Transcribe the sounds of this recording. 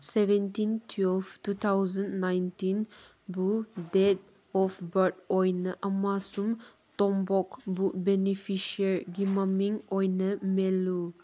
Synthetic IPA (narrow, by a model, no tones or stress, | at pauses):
seventintʰwɛlftut̪ʰawzənnajntin | budet̚ | ɔfbəɾt̚ɔjnəʔɐmasum | tɔmbɔkbubenipʰiʃiəɾɡimamiŋɔjnəmelu